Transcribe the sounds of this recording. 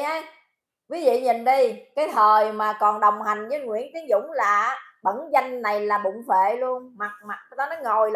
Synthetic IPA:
ə˨˧˦j | vi˨˦vḭ˧˨ɲi˨˩nɗi˧kaː˨˦jt̪ʰəː˨˩jmaː˨˩kɔ˨˩nɗə˨˩wŋ͡mha˨˩jŋ̟zəː˨˦jŋwḭ˧˥ənt̪i˨˦əŋzʊ̰˧˥ŋ͡mlaː˨˩˦ɓə̰˧˥nza˧jŋ̟na˨˩jlaː˨˩ɓʊ̰˧˨ŋ͡mfḛ˧˨lu˧ənma˨˩t̚ma˨˩t̚t̪aː˨˦nɔ˨˦ŋo˨˩jl

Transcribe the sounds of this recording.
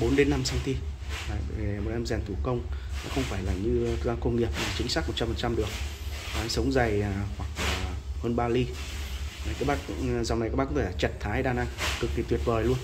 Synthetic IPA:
ɓo˨˦nɗe˨˦nːa˧msa˧wŋ͡mt̪i˧ | aː˨˩je˨˩mo˨˩t̚ʔɛ˧mzɛ˨˩nt̪ʰu˧˩kə˧wŋ͡mnɔ˨˦xə˧wŋ͡mfaː˧˩jlaː˨˩ɲɨ˧˨˦aː˧˦kə˧wŋ͡mŋi˨˩əp̚naː˨˩t͡ɕï˨˦ŋsaː˦˥mo˨˩t̚t͡ɕa˧fə˨˩t͡ɕa˧mɗɨ˨˩ək̚ː | sə˨˦wŋ͡mza˨˩jhwa˨˩k̚ːhəː˧nɓaː˧li˧ | a˨˩kaː˨˦˥k̚ɓaː˦˥kzaː˨˩wma˨˩kaː˦˥ɓaː˦˥kːt̪ʰːa˨˩t͡ɕɛ˨˩t̚t̪ʰaː˨˦jɗaː˨˧˩nʔa˧ŋkɨ˨˩k̚t̪ʰi˨˩t̪wi˨˩ət̚vəː˨˩jlu˧ən

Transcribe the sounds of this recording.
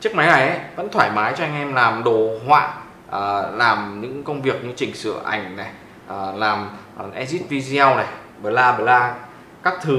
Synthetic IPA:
t͡ɕɨ˦˥k̚ma˨˦jna˨˩jʔə˨˦və̰˧˥nt̪ʰwaː˧˩jmaː˨˦jt͡ɕɔ˧ʔa˧ŋ̟ʔɛ˧mlaː˨˩mɗo˨˩ɦwa̰ː˧˨ | ʔə˨˩laː˨˩mɲɨ̰˧˥ŋkə˧wŋ͡mvi˨˩ək̚ɲɨ˧t͡ɕï˨˩ŋ̟sɨ̰˧˨əʔa̰˧˩jŋ̟nɛ˨˩ | ʔlaː˨˩m˨ | ʔɛ˧zi˦˥t̚vi˧zi˧a˧wna˨˩j | ɓəː˨˩laː˧ɓəː˨˩laː˧ | kaː˦˥k̚t̪ʰɨ˨˦

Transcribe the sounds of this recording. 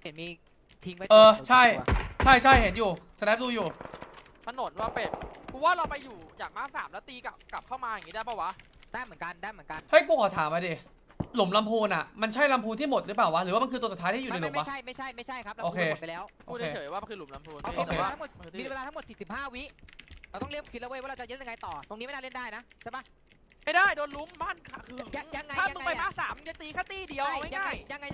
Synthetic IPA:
pʰnmiː˧ | t̪ʰi˦ŋwa˦˩ɤː˧t͡ɕʰa˥˩jt͡ɕʰa˥˩jt͡ɕʰa˥˩jhe˩˦njuː˨˩sʰa˧nɛː˦˥p̚duː˧juː˨˩ | t̪ʰa˧no˩˦nwaː˥˩pe˧˩kʰu˧waː˥˩ɾa˧wpa˧jːuː˨˩jaː˨˩k̚maː˥˩saː˩˦mlɛ˦˥wt̪iː˧ka˨˩ka˨˩p̚kʰa˥˩wmaː˧ja˨˩ŋiː˦˥daː˥˩ba˥˩wa˦˥ʔ | d̥aː˥˩jmɯ˩˦nka˧ndaː˥˩jmɯ˩˦nka˧nha˥˩jkuː˧kʰɔ˨˩t̪ʰaː˩˦mʔa˧diː˧ | lu˩˦mla˧˥mpʰuː˧nʔa˨˩ma˧nt͡ɕʰa˥˩jla˧mpʰuː˧nt̪ʰiː˥˩mo˨˩t̪̚ɾɯ˦˥p̬aː˨˩wa˦˥ɾɯː˨˦aː˥˩a˧nkʰːt̪u˧su˨˩t̪ʰaː˦˥t̪ʰiː˥˨u˨m˨n˧jlo˨˩˦m˥wa˦˥t͡ɕʰa˥˩jma˥˩jt͡ɕʰa˥˩jma˥˩jt͡ɕʰa˥˩jkʰa˦˥la˦oː˧kʰːeː˧˨pa˧lɛː˦˥wʔoː˧eː˩˧˨waː˥˩˧kʰɯː˧lu˨˩˦mla˧˦mpʰuː˧n˧ʔoː˧˩eː˧a˥ŋmo˨˩t̪̚mi˧nweː˧lːʰa˥mo˨˩t̪̚siː˨˩si˨˩p̚haː˥˩wi˦˥ɾa˧wt̪ɔ˥˩˧li˥˩əmkʰːt̪̚ʔa˧wəː˧jwaː˥˩ɾa˧˩t͡ɕa˨˩jt̪̚ja˧ŋa˧jt̪ɔː˨˩t̪o˧ŋi˦˥m˥˩naː˥˧li˥˩˨ndaː˥˩jna˦˥ʔt͡ɕʰa˥˩ba˦˥˩ | ma˥˩jdaː˥˩jdoː˧nlu˦˥mbaː˥˩nkʰa˧˩kɯ˧a˧ja˧ŋːa˧aː˥˩a˧mɯ˧ŋa˧a˧jmaː˧˥˩saː˩˦mja˧˥t̪iː˧˩kʰaː˥˩t̪iː˧˥˩di˧əwma˥˩a˥˧˩ja˧ŋːa˧j

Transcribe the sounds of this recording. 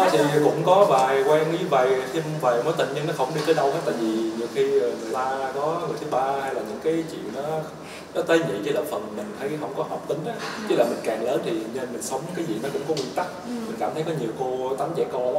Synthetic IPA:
t̪ʰi˨˩kʊ̰˧˥ŋ͡mkɔ˨˦vaː˨˩jkwɛː˧ŋzɨː˨˦ɓaː˨˩jt̪ʰi˧m˧vaː˨˩jmə˨˦jt̪ï˧˨˩ŋ̟ɲi˧nɔ˨˦xə˧˩wŋ͡mɗi˧t̪əː˨˦ɗə˧whaː˨˦˥t̪aː˧˨jvi˨˩ɲi˨˩əwxiː˧˨˩laː˧ɗɔ˨˦ə˨˩jt̪ʰɨ˨˦ɓaː˧ha˧jlaː˨˩ɲɨ̰˧˥ŋkaː˨˦jt͡ɕḭ˧˨ənːɔ˨˦ | nɔ˨˦t̪əː˨˦jɲḭ˧˨t͡ɕə˧˦ləː˨˩fə˨˩nmï˨˩ŋ̟t̪ʰə˨˦jɦə˧wŋ͡mkɔ˨˦hɔ˨˩wp̚t̪ï˨˦ŋ̟ʔaː˨˦t͡ɕə˦˥laː˨˩mï˨˩ŋ̟kaː˨˩ŋləː˨˦nt̪ʰi˨˩ɲə˧˩nmï˨˩ŋ̟sə˨˦wŋ͡mɲɨ˧kaː˨˦jzḭ˨˩nɔ˨˦kʊ̰˧˥ŋ͡mkɔ˨˦˥wi˧ənt̪a˦˥k̚mï˨˩ŋ̟kaː˧˩mt̪ʰə˨˦jkɔ˨˦ɲi˨˩əwko˧t̪a˨˦mzɛ̰˧˨kɔ˧˨

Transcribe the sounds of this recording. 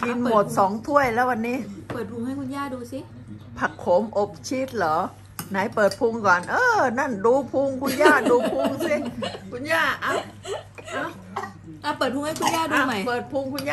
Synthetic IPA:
ki˧n˨moː˨˩t̪̚sɔː˩˦ŋt̪ʰu˥˩əjlɛː˦˥˩wa˧nːiː˦˥˩pɤː˨˩t̪̚pʰu˧ŋha˥˩jkʰu˧njaː˥˩duː˧si˦˥ | pʰa˧˩kʰːo˨˦mʔo˧˩p̚t͡ɕʰiː˦˥˩t̪̚lɔː˨˦ | na˨˩˦jpɤː˨˩t̪̚pʰu˧ŋkɔː˨˩nʔɤː˧˩na˥˩nduː˧pʰu˧ŋkʰu˧njaː˥˩duː˧pʰu˧ŋsi˦˥˩kʰu˧njaː˥˩ʔa˧˩ | ʔa˧˩˧ | laː˦˧˩pɤː˨˩t̪̚ʰu˧ha˥˩jkʰu˧njaː˥˩duː˧ma˨˦˩pɤː˨˩t̪̚pʰu˧ŋkʰu˧nja˧

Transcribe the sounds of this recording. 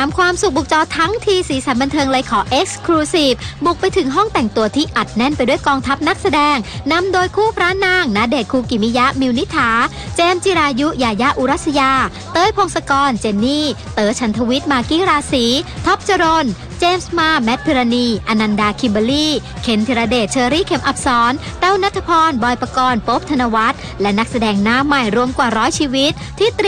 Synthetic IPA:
aː˨˦mkʰwaː˧msu˨˩k̚bu˨˩k̚t͡ɕɔː˧t̪ʰa˦˥ŋt̪ʰiː˧siː˩˦sa˩˦nba˧nt̪ʰɤː˧ŋlaː˧jkʰɔː˨˦ʔe˦˥k̚skʰɾuː˧siː˨˩p̚bu˨˩k̚pa˧jt̪ʰɯ˩˦ŋɦɔ˥˩ŋt̪ɛ˨˩ŋt̪u˧ɐt̪ʰiː˥˩ʔa˨˩t̪̚nɛ˥˩npa˧jdu˥˩əjkɔː˧ŋt̪ʰa˦˥p̚na˦˥k̚sa˧dɛː˧ŋna˧mdoː˧jkʰuː˥˩pʰɾaː˦˥naː˧˥˩ŋna˦˥deː˨˩t̪̚kʰuː˧kiː˨˩mi˦˥ja˦˥mi˧wni˦˥t̪ʰːaː˩˦ | t͡ɕeː˧mt͡ɕi˧ɾaː˧ju˦˥jaː˧ja˦˥ʔu˧ɾa˦˥˩t̪̚sa˧jaː˧ | t̪ɤː˧˥jpʰo˧ŋsa˧kɔː˧nt͡ɕe˧nːiː˥˩t̪ɤː˨˧t͡ɕʰa˦˥nt̪ʰa˧wi˦˥t̪̚maː˧kiː˥˩ɾaː˧siː˩˦t̪ʰɔ˦˥p̚t͡ɕa˧ɾo˧n | t͡ɕeː˧msmaː˧mːɛ˦˥t̪̚pʰi˧ɾa˧niː˧ʔa˧na˧ndaː˧kʰi˧mba˧liː˥˩ | kʰe˩˦nt̪ʰi˧ɾa˧deː˨˩t̪̚t͡ɕʰɤː˧ɾiː˥˩kʰe˨˩˦mʔa˨˦˩p̚sɔː˩˦˥nt̪a˥˩wna˦˥t̪ʰːa˧pʰɔː˧nbɔː˧jpa˧kɔː˧npo˦˥p̚t̪ʰa˧na˧wa˦˥t̪̚ | lɛ˦˥na˦˥k̚sa˧dɛː˧ŋnaː˨˦˥mːa˨˩jɾu˧əmkwaː˨˩ɾɔː˦˥jt͡ɕʰiː˧wi˦˥t̪̚ʰːiː˥˩t̪

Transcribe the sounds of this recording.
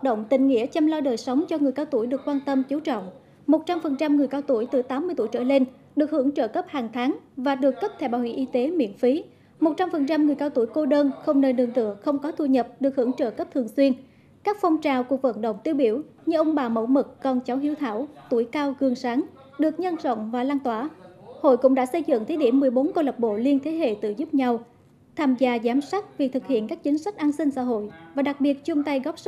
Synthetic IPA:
wa˨˩t̚ɗə̰˧˨wŋ͡mt̪ï˨˩ŋ̟ŋḭ˧˥ət͡ɕɛ˧mlaː˧wɗəː˨˩jsə˨˦wŋ͡mt͡ɕɔ˧ŋɨ˨˩əjkaː˧wt̪u˧˩əjɗɨ˨˩əkːwaː˧nt̪ə˧mt͡ɕi˨˦wt͡ɕɔ̰˧˨wŋ͡m | mo˨˩t̚t͡ɕa˧mfə˨˩nt͡ɕa˧mŋɨ˨˩əjkaː˧wt̪u˧˩əjt̪ɨ˨˩t̪aː˨˦mːɨ˧jt̪u˧˩jt͡ɕə̰ː˧˩le˧n | ɗɨ˨˩ək̚hɨ˧˩əŋt͡ɕəː˧˩kə˦˥p̚haː˨˩ŋt̪ʰaː˨˦ŋvaː˨˩ɗɨ˨˩əkːə˦˥p̚t̪ʰɛ˧˩wɓaː˧˩wḭ˧˨əʔi˧t̪e˨˦mḭ˧˨ənfi˨˦ | mo˨˩t̚t͡ɕa˧mfə˨˩nt͡ɕa˧mŋɨ˨˩əjkaː˧wt̪u˧˩əjko˧ɗəː˧nxə˧wŋ͡mnəː˧nɨ˧˩ŋt̪ɨ̰˧˨əxə˧wŋ͡mkɔ˨˦t̪ʰu˧ɲə˨˩p̚ɗɨ˨˩ək̚hɨ̰˧˩əŋt͡ɕə̰ː˧˩kə˦˥p̚t̪ʰɨ˨˩əŋswi˧ən | kaː˦˥k̚fɔ˧wŋ͡mt͡ɕaː˨˩wku˨˩ək̚və̰˧˩nɗə̰˧˨wŋ͡mt̪i˧əwɓi˧˩əwɲɨ˧ʔə˧wŋ͡mɓaː˨˩mə̰˧˩wmɨ˨˩kːɔ˨˩nt͡ɕa˨˦wɦi˨˧˦əwt̪ʰaː˧˩wt̪u˧˩əjkaː˧wɣɨ˨˩əŋsaː˨˦ŋ | ɗɨ˨˩ək̚ɲə˧nzə̰˧˨wŋ͡mvaː˨˩laː˧nt̪waː˧˩ho̰˧˨jkʊ̰˧˥ŋ͡mɗa̰ː˧˥sə˧jzɨ̰˧˨ŋt̪ʰe˨˦ɗi˧˩əmːɨ˨˩əjɓo˨˦nko˧lə˨˩p̚ɓo̰˧˨li˧ənt̪ʰe˨˦ɦḛ˧˨t̪ɨ̰˧˨zu˦˥p̚ɲa˧w | t̪ʰaː˧mzaː˧zaː˨˦msa˦˥k̚vi˨˩k̚t̪ʰɨ˨˩k̚hḭ˧˨ənkaː˦˥k̚t͡ɕï˨˦ŋ̟sa˦˥k̟̚ʔaː˧nsï˧ŋ̟sa̰ː˧˥ɦo̰˧˨jvaː˨˩ɗa˨˩k̚ɓi˨˩ət̚t͡ɕʊ˧ŋ͡mt̪a˧jɣɔ˦˥p̚s

